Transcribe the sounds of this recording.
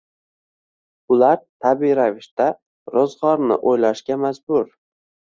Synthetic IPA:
ʊlaɾt̪ʰabiɾavɪʃt̪a | ɾɒzʁɒɾnɪ̰ʔojlaʃkʲamazbʊɾ

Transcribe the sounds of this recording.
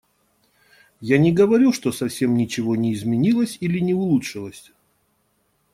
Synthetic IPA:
janʲɪɡəvɐɾʲuʂt̪o̞sɐfsʲe̞mnʲɪt͡ɕɪvo̞nʲɪːzmʲɪnʲilˠəsʲilʲɪnʲɪʊlˠutʂɨlˠəsʲ

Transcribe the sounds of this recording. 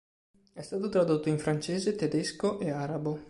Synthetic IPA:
ɛst̪aːt̪ot̪ɾad̪ot̪ːoiɱfɾant͡ʃeːzet̪ed̪eskoʔeaɾabo

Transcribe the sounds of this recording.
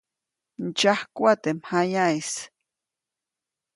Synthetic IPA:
nt͡ʃahkʷat̪emhajais

